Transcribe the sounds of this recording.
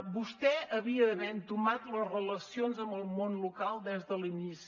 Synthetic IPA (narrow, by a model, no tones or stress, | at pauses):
bust̪ɛəβiəβɛnt̪umat̪ləzrələsionzəmbəlˠmonlukalˠd̪ɛzðəlinisi